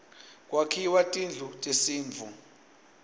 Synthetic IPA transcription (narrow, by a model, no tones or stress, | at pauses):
kʼwakʰiwatʼind͡ɮʱutʼesiːɱvʱu